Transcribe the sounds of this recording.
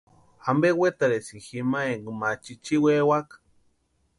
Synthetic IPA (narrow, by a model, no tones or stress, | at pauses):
ambewet̪aɾesiximaeŋɡmat͡ʃit͡ʃiwewak